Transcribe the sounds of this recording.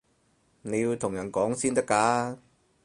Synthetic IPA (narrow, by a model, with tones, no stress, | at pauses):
ne˨˧jiː˧wt̪ʰʊ˨˩ŋjɐ˨˩nkɔː˨˥ŋsiː˥nt̪ɐ˥kːaː˨˧˥